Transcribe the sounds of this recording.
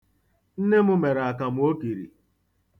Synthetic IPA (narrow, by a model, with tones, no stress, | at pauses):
n̩˦ne˦mʊ˦me˨ɾa˨ka˨mʊ˦o˦ki˨ɾḭ˨